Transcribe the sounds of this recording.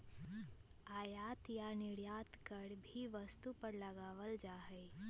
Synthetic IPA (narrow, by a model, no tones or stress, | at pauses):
aːjaːt̪janɪɽjaːt̪kəɽbʱiʋəst̪upəɾləɡaːʋəld͡ʒaːɦeː